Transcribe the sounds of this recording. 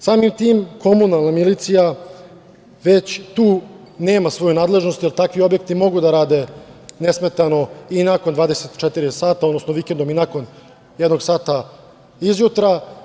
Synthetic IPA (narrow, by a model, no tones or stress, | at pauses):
saːmimt̪iːmko̞munalnamilit̪sija | ʋe̞t͡ɕt̪uː | neːmasʋo̞junaːd̪le̞ʒno̞st̪jelt̪akʋio̞bje̞k̚t̪imo̞ɡud̪aɾaːd̪e̞nesme̞t̪ano̞inakond̪ʋaːd̪eset̪t͡ʃet̪iɾisaːt̪aod̪no̞snoʋikend̪o̞minako̞n | jed̪no̞ɡsaːt̪a | izjut̪ɾa